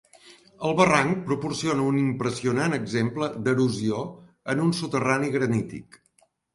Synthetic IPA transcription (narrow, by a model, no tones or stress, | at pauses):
əlˠβəraŋk̚pɾupursionəunimpɾəsiunanəɡzempləd̪əɾuzio | ənunsut̪əraniɣɾənit̪ḭk